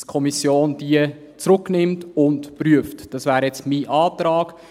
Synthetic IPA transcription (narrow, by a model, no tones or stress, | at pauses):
kʰɔmisjoːnd̥iə | t͡sɾʊknɪmtʊntpryəftd̥ɑsvæːɾjɛt͡smiːʔɑːtɾɑːɡ̥